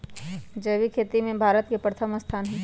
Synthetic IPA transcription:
d͡ʒəʋikʰeːt̪imẽbʱaːɾət̪kepɾət̪ʰəməst̪ʰaːnɦɛː

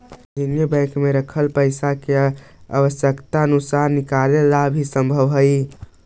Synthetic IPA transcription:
d̪injebə̃kmeɾəkʰəlpəɪsake | a̰ʋəsjəkt̪aənusaɾnikalelabʱisə̃mbʱəʋɦəj

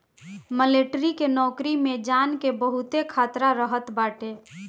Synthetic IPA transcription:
məleʈɾikenɔkɾimed͡ʒankebəɦut̪ekʰaːt̪ɾaɾəɦət̪baːʈe

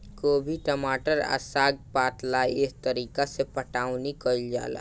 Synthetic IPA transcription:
koːbʱiʈəmaːʈəɾa̰saːɡ̚paːt̪laɪst̪əɾiːkasepəʈaːwnikəld͡ʒa̰ːla̰

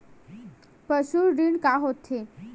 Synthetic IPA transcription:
pəɕuɾɖiɳkaɦot̪ʰhe

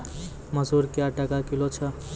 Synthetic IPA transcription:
məzuɾkeaʈakakilot͡ʃʰə

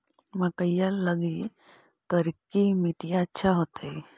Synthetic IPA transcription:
mɐkəjalːəɡi | t̪əɾikːimiʈijaətːʃʰaɦot̪ai

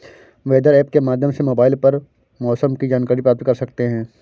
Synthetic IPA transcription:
ʋeːd̪əɾɛːpkemaːd̪ʱjə̃msemoːbaːɪlpɐɾ | mɔːsəmkid͡ʒaːnkaːɾipɾaːp̚t̪̚kɐɾsɐkt̪eɦɛ̃ː

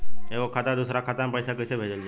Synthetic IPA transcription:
eʋokʰat̪ad̪usɾakʰat̪ampəjsakəsebʱed͡ʒəld͡ʒe

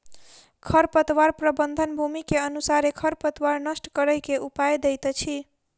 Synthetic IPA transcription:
kʰəɾpət̪waɾpɾəbənd̪ʱənbʱumikeənusaɾekʰəɾpət̪waɾnəsʈkəɾəjkeʔupajd̪ejt̪t͡ʃʰi

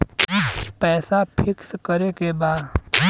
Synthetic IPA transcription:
pɛːsapʰɪkskəɾekebaːd̪

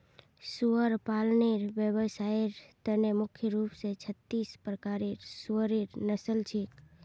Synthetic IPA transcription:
suəɾpalneɾʋjəbəsaeɾt̪ənemʊkʰjəɾupset͡ʃʰət̪ːispɾəkaɾeɾsuəɾeɾnəsəlt͡ʃʰek

